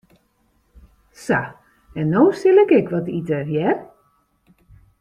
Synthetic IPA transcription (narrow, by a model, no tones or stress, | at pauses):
sa | ɛnːoːsɪlɪkɛkʋɔtitəjɛr